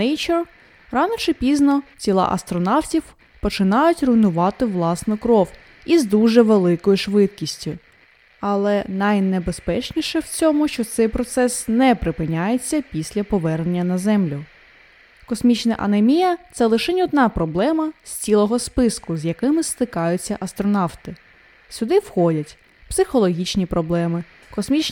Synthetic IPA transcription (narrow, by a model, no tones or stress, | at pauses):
nejt͡ʃɛr | ɾɑnɔt͡ʃɪpʲiznɔt͡sʲilˠɑ̰ʔɐ̰st̪ɾɔnɑwtʲiw | pɔt͡ʃɪnɑjʊtʲrʊjnʊʋɑt̪ɪʋlˠɑsnɔkɾɔw | izd̪uʒɛʋelˠɪkɔjʊʃʋɪd̪̚kʲisʲtʲʊ | ɐlˠɛnɐjnebespɛt͡ʃnʲiʃɛwt͡sʲɔmʊʃt͡ʃɔt̪sɛjpɾɔt̪sɛsnɛpɾɪpɪnʲajet͡sʲːɐpʲisʲlʲɐpɔʋɛrnenʲːɐnɐzɛmlʲʊ | kɔsmʲit͡ʃnɐʔɐ̰nemʲijɐt̪sɛlˠɪʃɛnʲiɔd̪nɑpɾɔblˠɛmɐsʲt͡sʲilˠɔɦɔspɪskʊzjɐkɪmɪst̪ɪkɑjʊt͡sʲːɐʔɐst̪ɾɔnɑwt̪ɪ | sʲʊd̪ɪwxɔdʲɐtʲ | psɪxɔlˠɔɦʲit͡ʃnʲipɾɔblˠɛmɪ | kɔsmʲit͡ʃ